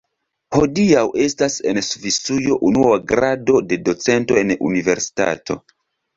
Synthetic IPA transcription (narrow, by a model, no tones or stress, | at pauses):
ho̞diawʔe̞stase̞nsvit͡sujo̞ʔunuaɡɾado̞de̞do̞t͡se̞nto̞e̞nṵnive̞ɾsi̥ta̰tʰo̞̰